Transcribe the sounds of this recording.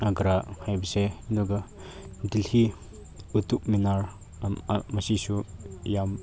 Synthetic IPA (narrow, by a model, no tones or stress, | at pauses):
aɡɾahajbɐseindɔɡɐ | dilhi | ut̪uk̚minaɾ | mɐsisujam